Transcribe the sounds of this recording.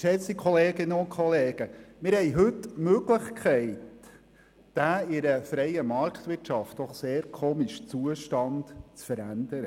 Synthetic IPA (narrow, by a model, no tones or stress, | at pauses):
ʃɛt͡sikʰɔleːɡɪnəʊnkχɔleːɡ̥əmɪɾhɛɪɦɵtːmøɡləχkʰɛɪt | d̥æːɪɾəfɾɛɪjəmɑɾkt̪ʋɪtʃɑftd̥ɔχseːɾkʰoːmiʃt͡suəʃtɑnd̥t͡sfəɾænd̥̪əɾə